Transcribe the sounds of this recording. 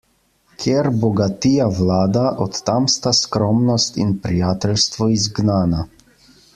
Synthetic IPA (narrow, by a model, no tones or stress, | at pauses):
kʰjeɾbɔɡat̪ijaʋlaːd̪aʔɔt̪ːamst̪askɾɔmnɔst̪ḭnpɾijaːt̪ɛlst̪ʋɔizɡnaːna